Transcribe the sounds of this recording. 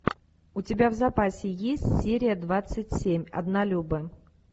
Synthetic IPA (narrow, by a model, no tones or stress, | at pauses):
ʊtʲɪbʲavzɐpasʲɪjesʲtʲsʲeɾʲɪjəd̪vat̪sɨtʲsʲemʲɐ̰d̪nalʲubə